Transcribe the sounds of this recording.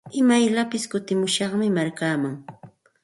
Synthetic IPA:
ɪmajlapɪskʊt̪ɪmʊʃɑχmɪmaɾkaːmaŋ

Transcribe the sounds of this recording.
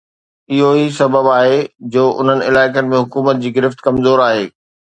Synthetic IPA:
ɪɦoisɐbəbaːɦed͡ʑoːʔʊ̰n̤ənɪɪlaːɪkənɪ̆mẽɦʊkuːmət̪̚d͡ʑiːɡɪɾɪft̪kɐmzoːɾaːɦeː

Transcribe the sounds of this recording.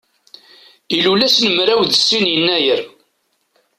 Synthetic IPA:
ilulæsnəmɾæwðəsːinjənːæjəɾ

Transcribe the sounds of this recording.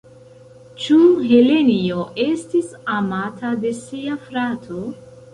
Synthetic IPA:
t͡ʃuɦe̞le̞nioʔe̞stisamatʰade̞siafɾatʰo

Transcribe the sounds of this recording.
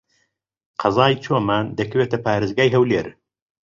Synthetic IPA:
qʰɑzaːjt͡ʃʰoːmaːnd̪ɐkʰɐweːt̪ʰɐpʰaːɾezɡaːjɦɐwleːɾ

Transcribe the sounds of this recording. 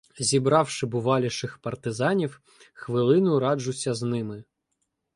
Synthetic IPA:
zʲibɾɑwʃɪbʊʋɑlʲiʃɪxpɐrt̪ɪzɑnʲiw | xʋɪlˠɪnʊɾɑd͡ʒʊsʲɐznɪmɪ

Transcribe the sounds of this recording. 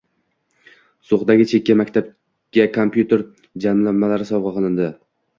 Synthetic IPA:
soχd̪aɡʲɪt͡ʃʰe̞kʲːamakʲt̪ʰab̚ | ɡ̥ʲakʰompjut̪ʰe̞ɾ | d͡ʒamlamːalaɾɪsɒvʁɑqɨlˠɪnd̪ɪ

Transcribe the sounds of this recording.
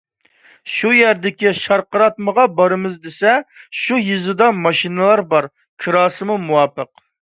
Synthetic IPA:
ʃujæɾd̪ɪkʲiʃɑɾqəɾɑt̪̚məʁɑbɑɾɨmɨzd̪esɛʃujɨzɨd̪ɑmɑʃinɨlˠɑɾbɑɾ | kʲʰiɾɑːsɨmumuwɑpəq

